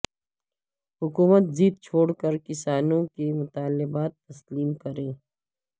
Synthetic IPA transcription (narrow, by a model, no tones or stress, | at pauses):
ɦʊkuːmət̪ziːt̪̚t͡ʃʰoːɽkəɾkɪsaːnõkemʊt̪aːlɪbaːt̪ːɐsliːmkɐɾẽː